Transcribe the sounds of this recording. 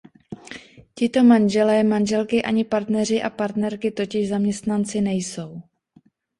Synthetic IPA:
cɪt̪o̞manʒɛlɛmanʒɛlkɪʔaɲɪpaɾt̪nɛr̝ɪʔapaɾt̪nɛɾkɪt̪o̞cɪʒzamɲɛst̪nant͡sɪnɛjso̞w

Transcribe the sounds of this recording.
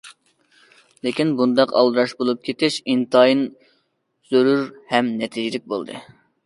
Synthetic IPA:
lekʲinbund̪ɑqɑ̰lˠd̪ɨɾɑʃbolˠup̚kʲʰet̪ɪʃint̪ɑjin | z̥øɾyɾhɛmnɛt̪ʰid͡ʒilɪk̚ʲbolˠd̪ɨ̰

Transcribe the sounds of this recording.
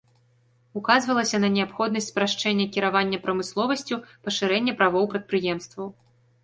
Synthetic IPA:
ukazvɐlˠɐsʲɐnɐnʲɛapxɔd̪̚nɐsʲt͡sʲpɾaʂt͡ʂɛnʲːɐkʲiɾavanʲːɐpɾɐmɨslˠɔvɐsʲt͡sʲupɐʂɨɾɛnʲːɐpɾavɔwpɾɐt̪̚pɾɨjɛmst̪vɐw

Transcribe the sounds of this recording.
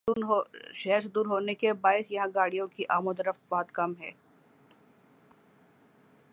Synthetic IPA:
ɦoʃɛɦɾsd̪uːɾɦoːnekebaːɪsjɐɦãɡaːɽijõkiʔaːmod̪ɐɾəft̪̚bɔɦɔt̪kɐmɦɛ̰ː

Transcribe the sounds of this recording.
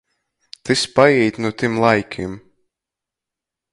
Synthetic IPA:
t̪ɨspajɛjt̪ʲnut̪imlˠajkʲʰim

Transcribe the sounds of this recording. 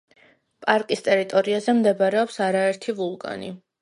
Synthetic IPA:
pʼaɾkʼist̪ʼɛɾit̪ʼɔɾiazɛmd̪ɛbaɾɛɔpsaɾaɛɾt̪ʰivulˠkʼa̰ni

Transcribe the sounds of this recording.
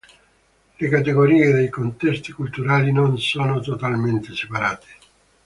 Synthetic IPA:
lekat̪̬eɡoɾiːed̪ejkont̪ɛst̪i̥kult̪uɾaːlinonsɔːnot̪ot̪alment̪esepaɾaːt̪e̥

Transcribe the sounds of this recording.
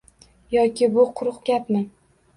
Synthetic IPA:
jɒkʲʰɪbʊqʰʊɾʊqɡʲapnɪ

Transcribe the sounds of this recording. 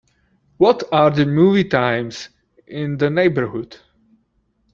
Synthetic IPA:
wɔtaɹðəmuːvitãɪ̃mz̥ | ɪ̃ndəneɪbəɹhʊd̥

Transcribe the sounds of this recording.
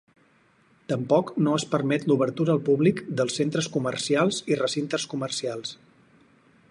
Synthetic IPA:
t̪əmpɔknoəspəɾmɛt̪luβəɾt̪uɾəːlˠpuβlikd̪əlˠsent̪ɾəskumərsialˠzirəsint̪əskumərsialˠs

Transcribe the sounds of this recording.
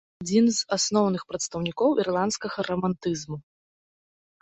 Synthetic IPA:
ad͡zʲinzasnɔwnɨxpɾɐt̪st̪ɐwnʲikɔwʔirlˠant̪skɐɣɐɾɐmant̪ɨzmu

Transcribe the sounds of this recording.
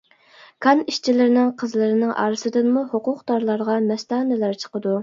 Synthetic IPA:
kʰɑniʃt͡ʃʰilɪɾɪnɪŋqʰəzlˠɨɾɪnɪŋʔɑ̰ːɾɨsɨd̪ɨnmuhoqʊqd̪ɑɾlˠɑɾʁɑmɛst̪ɑːnɪlæɾt͡ʃʰə̥qəd̪u

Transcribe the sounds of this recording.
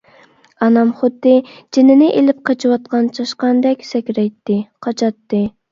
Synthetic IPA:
ɑnɑmχʊd̪ːɨd͡ʒinɪnɪʔelɪp̚qʰɑt͡ʃʰɨwɑt̪̚qɑnt͡ʃʰɑʃqɑnd̪ɛkʲsɛkʲɾɛjt̪ːɪqʰɑt͡ʃʰɑt̪ːɨ

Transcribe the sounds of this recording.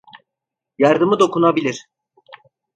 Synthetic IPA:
jaɾd̪ɯmɯd̪o̞kʰunabilʲiɾ̥

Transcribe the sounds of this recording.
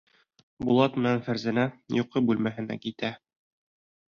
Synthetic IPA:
bṵlˠɑt̪mɘ̆nænfæɾzænæjuqɤbʉlmæɦɘ̆næ̰kit̪æ

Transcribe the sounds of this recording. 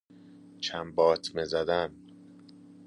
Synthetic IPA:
t͡ʃʰæmbɒːt̪ʰmezæd̪æn

